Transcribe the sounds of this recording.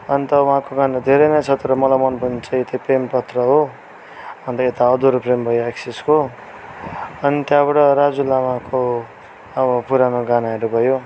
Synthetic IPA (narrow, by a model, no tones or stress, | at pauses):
ʌnt̪ʌwuɦãkoɡanad̪ʱeɾʌnʌt͡sʰʌt̪oɾʌmʌlamʌnpʌnit͡saj̃t̪eprempʌt̪rʌɦo | ʌnt̪ʌet̪aʌd̪uɾprembʱʌjoeksisko | ʌnit̪jãβaɽʌɾad͡zulamako | ʌbʌpuɾanoɡanaʌɾubʱʌjo